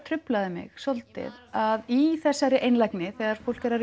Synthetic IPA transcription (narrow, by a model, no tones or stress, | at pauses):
t̪ʰɾʏplaðɪmɪ̰ɣsolt̪ɪ̰ðaðiθɛsːajɾɪʔejnlajknɪθɛːɣaɾ̥fow̪̥cɪɾaɾ